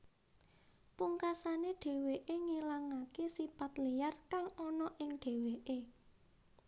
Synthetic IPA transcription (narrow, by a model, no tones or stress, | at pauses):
puŋkasaneɖ̥e̤weʔeŋilaŋakesipat̪lijarkaŋɔnɔʔɪŋɖ̥e̤weʔe